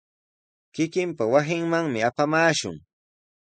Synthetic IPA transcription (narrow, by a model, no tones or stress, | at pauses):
kɪkɪmpawasɪŋmaŋmɪapamaːʃʊ̰ŋ